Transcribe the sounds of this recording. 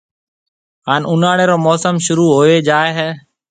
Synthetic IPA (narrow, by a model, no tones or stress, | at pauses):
ɦaːnʊnaːɽeːɾoːmɔːsəmʃʊɾuːɦoːeːd͡ʒaːeːɦɛː